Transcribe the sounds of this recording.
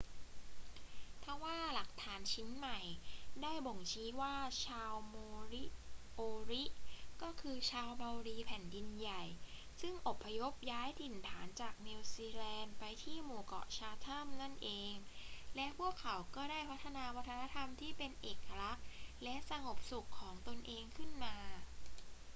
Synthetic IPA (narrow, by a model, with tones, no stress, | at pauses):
t̪ʰa˧˩waː˥˩la˨˩k̚t̪ʰaː˩˦nt͡ɕʰi˦˥nma˨˩jdaː˥˩jbo˨˩ŋt͡ɕʰiː˦˥waː˥˩t͡ɕʰaː˧wmoː˧ɾi˦˥ʔoː˧ɾi˦˥ʔkɔː˥˩kʰɯː˧t͡ɕʰaː˧wba˧wɾiː˧pʰɛ˩˦ndi˧nja˨˩j | sɯ˥˩ŋʔo˨˩pʰːa˧jo˦˥p̚jaː˦˥jt̪ʰi˨˩nt̪ʰaː˩˦nt͡ɕaː˨˩k̚niː˧wsiː˧lɛː˧npa˧jt̪ʰiː˥˩moː˧˩kɔ̰˨˩ʔt͡ɕʰaː˧t̪ʰa˥˩mna˥˩nʔeː˧ŋlɛ˦˥ʔpʰu˥˩əkʰːa˩˦wkɔː˥˩daː˥˩jpʰa˦˥t̪ʰːa˧naː˧wa˦˥t̪ʰːa˧na˦˥t̪ʰa˧mt̪ʰiː˥˩pe˧nʔeː˨˩ka˧ɾa˦˥k̚lɛ˦˥ʔsa˧ŋo˨˩p̚su˨˩kʰːɔː˩˦ŋt̪o˧nʔeː˧ŋkʰɯ˥˩nmaː˧